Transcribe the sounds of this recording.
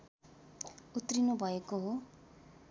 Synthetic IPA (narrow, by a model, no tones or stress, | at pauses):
ut̪rinubʱʌekoɦo